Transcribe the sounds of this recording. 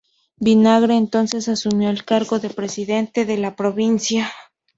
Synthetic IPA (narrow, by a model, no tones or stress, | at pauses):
binaɣɾeːnt̪o̞nse̞sasumjo̞elkaɾɣo̞ðepɾesiðe̞nt̪e̞ðe̞lapɾoβinsja